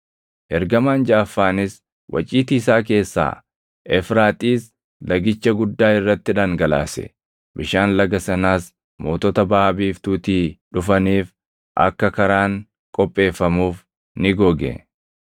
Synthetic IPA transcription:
ʔɛɾɡɐmaːnd͡ʒaːfːaːnɪs | wʔɐ̰t͡ʃʼiːt̪iːsaːk̬e̞ːsːa̰ː | ʔɛfɾaːt̪ʼiːs | lɐɡɪt͡ʃːɐɡʊd̪ːaːɪrːɐt̪ːɪᶑaːŋɡɐla̰ːsɛ̰ | bɪʃaːnlɐɡɐsɐnaːs | mo̞ːt̪ɔt̪ɐbaːbiːft̪uːt̪iːᶑʊfɐniːf | ʔɐ̰kːɐkɐɾaːŋ | kʼɔpʼːe̞ːfːɐmuːf | nɪɡɔɡɛ̰

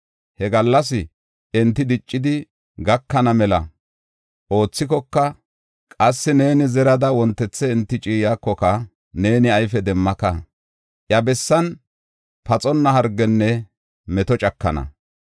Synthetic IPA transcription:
hɛɡɐlːɐs̬ɪ | ɛnt̪ːɪd̪ɪt͡ʃʼːɪd̪ɪ | ɡɐkːɐnɐmɛlɐ̰ | ʔo̞ːt͡sːɪkɔkːɐ | kʼɐsːɪne̞ːnɪzɛɾɐd̪ɐwɔnt̪ːɛt͡sːɛɪnt̪ːɪt͡ʃʼiːjakːɔkɐ | ne̞ːnɪɐjfɛd̪ɛmːɐkɐ | ʔjɐbɛsːɐn | pɐt͡sʼɔnːɐɦɐɾɡːɛnːɛ | mɛt̪ɔt͡ʃʼɐkːɐ̰nɐ̰

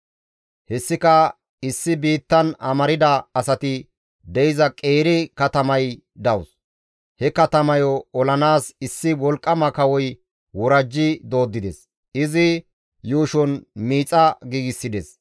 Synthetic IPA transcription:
hɛsːɪkɐ | ɪsːɪbiːt̪ːɐnɐmɐɾɪd̪ɐːsɐt̪ɪ | d̪ɛjɪzɐkʼeːɾɪkɐt̪ɐmɐj | d̪ɐws | hɛkɐt̪ɐmɐjɔɔlɐnaːsɪsːɪwɔlkʼːɐmɐkɐwɔj | wɔɾɐd͡ʒːɪd̪o̞ːd̪ːɪd̪ɛs | ɪzɪ | juːʃɔnmiːt͡sʼːɐɡiːɡɪsːɪd̪ɛs

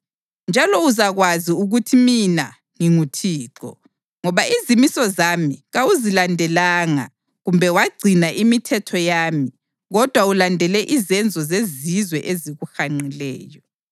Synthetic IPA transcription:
nd͡ʒʱalɔuzaɣwaziuɣutʰimina | ŋiŋutʰiːǃɔ̰ | ŋɔβaizimisɔzamiɣawuzilandʱɛlaːŋa̰ | ɣumbʱɛwaɡ͡ǀʱinaʔimitʰɛtʰɔjaːmi | ɣɔd̥ʱwaulandʱɛlɛʔizɛnd͡zʱɔzezizwɛʔeziɣuxaŋ͡ǀilɛːjɔ

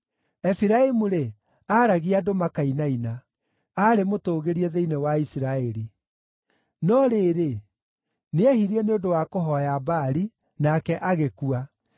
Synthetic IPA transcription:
ɛfiɾaimuɾe | aɾaɣiadomakainaina | aɾemotoːɣeɾiɛðeinewaisiɾaɛɾi | nɔɾeːɾe | neɛhiɾiɛneondowakoɦɔjabaɾi | nakɛʔaɣekua

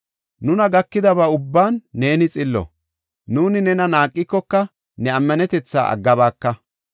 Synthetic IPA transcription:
nʊnɐɡɐkːɪd̪ɐbaːʊbːaːnːe̞ːnɪt͡sʼɪlːɔ̰ | nuːnɪnɛnɐnaːkʼːɪkːɔkːɐ | nɛɐmːɐnɛt̪ɛt͡sːa̰ːɐ̰ɡːɐbaːkːɐ

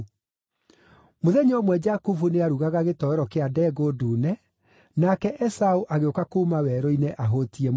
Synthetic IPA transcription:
moðɛɲɔmwɛd͡ʑakufuneaɾuɣaɣaɣetɔɛɾɔkeadɛɡoduːnɛ | nakɛʔɛsauʔaɣeokakomawɛɾɔinɛʔaɦotiɛm

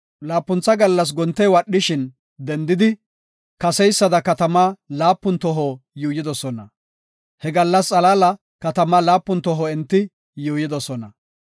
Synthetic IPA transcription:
laːpːʊnt͡sːɐɡɐlːɐs̬ɡɔnt̪ːɛjwɐɗːɪʃɪn | d̪ɛnd̪ɪd̪ɪ | kɐsɛjsːɐd̪ɐkɐt̪ɐmaːlaːpːʊnt̪ɔɦojuːjɪd̪ɔsɔnɐ | hɛɡɐlːɐst͡sʼɐlaːlɐ | kɐt̪ɐmaːlaːpːʊnt̪ɔɦɔɛnt̪ːɪ | juːjɪd̪ɔsɔnɐ

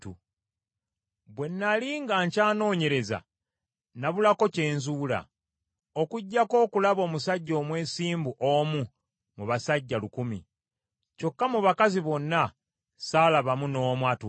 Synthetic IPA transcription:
tu | βwe̞nːaliŋɡaːɲcaːno̞ːɲe̞ɾe̞za̰ | naβulako̞ce̞ːnzuːla̰ | okuɟːako̞ːkulaβo̞ːmusaɟːo̞ːmwe̞ːsiːmbuʔomu | muβasaɟːalukumḭ | co̞kːamuβakaziβo̞nːa | saːlaβamuno̞ːmwatu

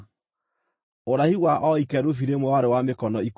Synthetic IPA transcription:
oɾahiwaʔɔikɛɾofiɾemwɛwaɾewamekɔnɔik

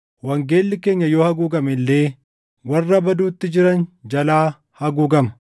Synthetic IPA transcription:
wɐŋɡe̞ːlːɪke̞ːɲːɐjo̞ːhɐɡuːɡɐmɪlːe̞ː | wɐrːɐbɐd̪uːt̪ːɪd͡ʒɪɾɐnd͡ʒɐlaː | hɐɡuːɡɐmɐ̥

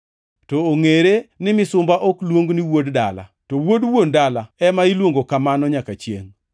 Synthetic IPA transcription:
tɔːŋeɾenɪmɪsʊmbaʔɔklwoŋɡniwoddala̰towodwondalaɛmailwoŋɡokamanɔɲakat͡ʃjḛŋ

